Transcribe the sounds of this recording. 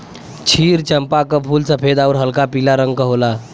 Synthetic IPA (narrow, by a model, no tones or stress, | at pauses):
t͡ɕʰiːɾt͡ɕəmpakəpʰuːlsəpʰed̪auɾɦəlkapilaɾəŋɡkəɦola